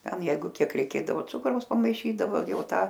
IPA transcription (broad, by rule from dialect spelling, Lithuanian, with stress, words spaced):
ˈtʲɛn ˈjɛɪɡʊ ˈkʲiɛk rʲɛɪˈkʲeːdɐʋoː ˈt͡sʊkrɐʊs pɐmɐɪˈʃʲiːdɐʋoː ˈjɛʊ ˈtɑː